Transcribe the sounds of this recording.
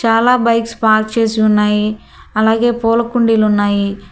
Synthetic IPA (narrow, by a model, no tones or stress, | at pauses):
t͡ʃaːlaːbɐjkspaːɾkt͡ʃe̞ːsiunːaːji | ɐlaːɡe̞ːpɔːlɐkuɳɖilunːaːji